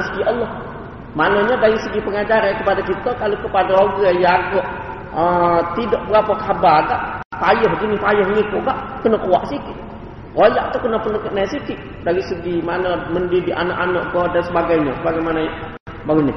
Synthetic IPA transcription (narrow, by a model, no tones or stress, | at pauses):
sə̥kiʔɔlːɔh | manəɲədaɾisəɡipəŋad͡ʒaɾankəpadakit̪əkalokəpadaoɡəjaɡəʔ | ət̪idɔʔbəɾapək̪ahabaɡaʔpajɔɦɡinipajɔhɲikuʔɡaʔkənəkua̰ʔsikiʔ | olaʔt̪ukənəhpənəkəʔnajsit̪iʔ | daɾisəɡimanəməndidiʔa̰naʔanəʔkədansəbaɡajɲəsəbaɡajmanaj | baɡuɲə